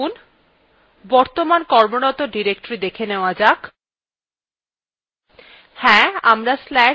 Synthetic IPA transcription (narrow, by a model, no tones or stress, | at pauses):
un | bɔɾt̪omankɔɾmoɽɔt̪oɖiɾekʈoɾid̪ekʰeneoad͡ʑak | hɛ̃a̰mɾaslɛ